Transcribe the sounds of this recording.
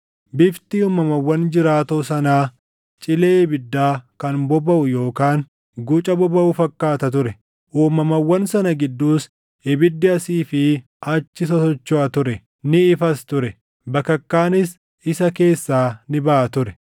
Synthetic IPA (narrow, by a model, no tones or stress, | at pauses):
bɪft̪iuːmɐmɐwːɐnd͡ʒɪɾaːt̪oːsɐnaː | t͡ʃʼɪleːbɪd̪ːaːkɐnbɔbɐʔʊjo̞ːkaːn | ɡut͡ʃʼɐbɔbɐʔʊfɐkːaːt̪ɐt̪ʊɾɛ | ʔuːmɐmɐwːɐnsɐnɐɡɪd̪ːuːs | ɪbɪd̪ːɪɐsiːfɪ | ʔɐt͡ʃːɪsɐsɔt͡ʃːoɐt̪ʊɾɛ | nɪɪfɐst̪ʊɾɛ | bɐkːɐkːaːnɪs | ɪsɐke̞ːsːaːnɪbɐʔɐt̪ʊɾɛ̥